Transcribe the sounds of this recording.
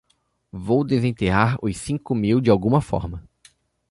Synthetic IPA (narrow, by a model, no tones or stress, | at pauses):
vowd̪ezẽt̪eɦaɾʊsĩŋkʊmiwd͡ʒɪawɡũmɐfɔ̰ɾmɐ